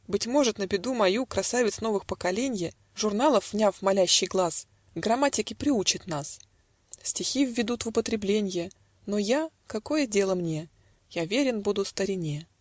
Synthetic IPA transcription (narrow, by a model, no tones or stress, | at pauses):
bɨtʲmo̞ʐɨt̪nəbʲɪd̪umɐjukɾɐsavʲɪt̪sno̞vɨxpəkɐlʲenʲjə | ʐʊrnalˠəfvnʲafmɐlʲæɕːɪjɡlˠas | ɡrɐmatʲɪkʲɪpɾʲɪut͡ɕɪt̪nas | sʲtʲɪxʲivʲːɪd̪ut̪vʊpət̪ɾʲɪblʲenʲjə | no̞ja | kɐko̞jədʲe̞lˠəmnʲe̞ | javʲeɾʲɪnbud̪ʊst̪əɾʲɪnʲe